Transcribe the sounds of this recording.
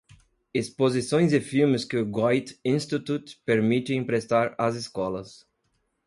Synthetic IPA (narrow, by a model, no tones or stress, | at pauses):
espozisõj̃zɪfilmɪskɪʊɡɔjt̪ĩnst̪it̪ut̪peɾmit̪ɪ̃ĩpɾest̪aɾɐziskɔlɐs